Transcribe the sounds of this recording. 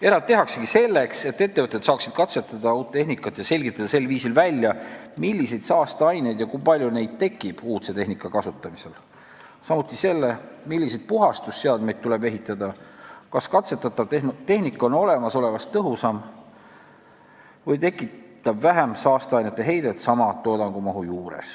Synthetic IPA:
e̞ɾɑe̞ɦɑkseɡise̞lːe̞kse̞t̪ːe̞t̪ːeɤt̪ːˑesɑːksid̪̥̚kɑt̪se̞t̪ːˑɑd̪ɑuːt̪t̪ːe̞ɦnikːˑɑt̪ːˑjɑse̞lʲɡit̪ːˑɑd̪ɑse̞lviːsilvælʲjɑmilʲːise̞jd̪̥sɑːst̪eɑjnejd̪̥jɑkujpɑlʲjune̞jd̪̚t̪e̞kːˑib̥uːt̪se̞t̪e̞ɦnikːˑɑkɑsut̪ːˑɑmise̞l | sɑmut̪ːˑise̞lːe̞milʲːised̪̥̚puɦɑst̪ust̪seɑld̪̚mejd̪̚t̪ːule̞be̞ɦit̪ːˑɑd̪ɑkɑskɑt̪se̞t̪ːˑɑt̪ːˑɑv̥t̪enut̪e̞ɦnikːˑo̞no̞le̞mɑso̞le̞vɑst̪ːɤɦusɑm | vɤjt̪e̞kːˑit̪ːˑɑbvæɦæmsɑːst̪eɑjnet̪ːˑe̞ɦe̞jd̪̥e̞t̪sɑmɑt̪o̞ːd̪ɑŋɡ̥umɑɦujuːɾḛs

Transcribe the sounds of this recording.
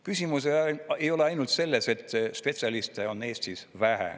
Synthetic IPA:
kysʲimus̬ee̞jo̞leɑjnult̪se̞lːese̞t̪ːspe̞t̪sʲiɑlist̪eo̞nːe̞ːst̪isvæhḛ

